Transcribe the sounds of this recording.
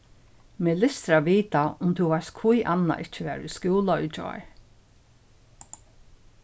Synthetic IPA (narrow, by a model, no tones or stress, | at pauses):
meːlɪst̪ɾaʋiːt̪aʊmt̪ʰuʋaɹskʰujʔanːa̰ʔɪht͡ʃəʋɛ̰ːɾʊskuːlaʏt͡ʃɔ̰ɹ